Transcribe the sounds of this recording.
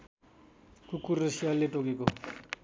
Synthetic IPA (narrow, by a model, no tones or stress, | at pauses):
kukurːʌsijaleʈokeko